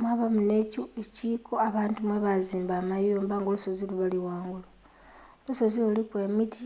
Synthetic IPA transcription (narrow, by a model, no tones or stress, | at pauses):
mwaβamune̞cueciːkʰoaβaːntumwe̞βaziːmbaːmajuːmbaŋɡolusoziluβaliwaːŋɡula | lusozilululikwe̞ːmiti